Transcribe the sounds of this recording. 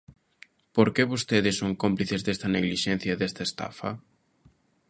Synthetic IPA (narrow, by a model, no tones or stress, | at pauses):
poɾkeβost̪eðɪsːoŋkompliθezðest̪ɐneɣliʃen̟θjɐðest̪ɐest̪a̰fɐ